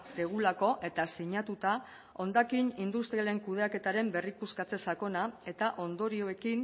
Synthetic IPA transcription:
d̪eɣ̞ulako̞ʔe̞t̪asiɲat̪ut̪a | o̞nd̪akinind̪ust̪ɾiale̞ŋkuðe̞ake̞t̪aɾe̞mbe̞rikuskat͡se̞sako̞nae̞t̪aʔo̞nd̪o̞ɾio̞e̞kin

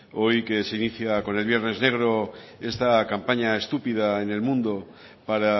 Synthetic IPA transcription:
o̞jke̞se̞iniθjako̞ne̞lβje̞ɾne̞zne̞ɣ̞ɾo̞e̞st̪akampaɲae̞st̪upið̞ae̞ne̞lmũnd̪o̞ | paɾa

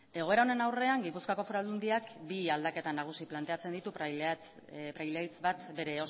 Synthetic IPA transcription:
e̞ɣ̞o̞e̞ɾao̞ne̞nawre̞aŋɡipuskako̞foɾald̪und̪iakbiald̪ake̞t̪anaɣ̞usiplant̪eat͡send̪it̪u | pɾajlajt͡sbat̪be̞ɾe̞o

